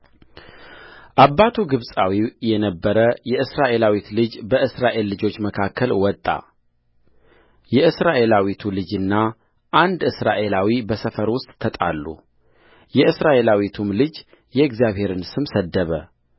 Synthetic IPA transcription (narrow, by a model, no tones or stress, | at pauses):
ʔabːat̪ʰuɡɨβsʼawijɛnəbːəɾəjɛʔɨsɾaʔe̞lawit̪lɨd͡ʒbəʔɨsɾaʔe̞lːɨd͡ʒo̞t͡ʃːməkʰakʰːəlwɔt̪ʼːa̰ | jɛɨsɾaʔe̞lawit̪ʰulɨd͡ʒɨnːa | ʔand̪ɨsɾaʔe̞lawibəsəfəɾwʊst̪ʼt̪ʰːət̪ʼa̰lːṵ | jɛɨsɾaʔe̞lawit̪ʰumlɨd͡ʒ | jɛɡzjaβhe̞ɾɨnsɨmsəd̪ːəβə